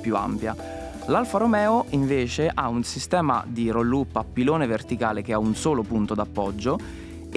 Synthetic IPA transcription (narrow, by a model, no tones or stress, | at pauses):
pjua̰mpja | lalfaɾomɛːoʔiɱveːt͡ʃeʔaunsist̪ɛːma̰d̪irolːupːapːiloːnevert̪ikaːlek̟eaunsoːlopunt̪od̪apːɔd͡ʒːo